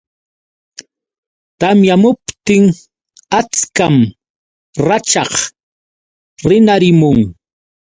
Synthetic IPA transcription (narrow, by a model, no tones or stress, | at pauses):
t̪amjamʊpt̪ɪŋ | at͡skam | ɾat͡ʃɑχ | ɾɪnaɾɪmʊŋ